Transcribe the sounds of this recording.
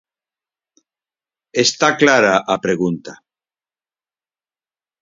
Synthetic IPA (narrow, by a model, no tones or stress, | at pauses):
est̪aklaɾaʔapɾeɣ̞unt̪a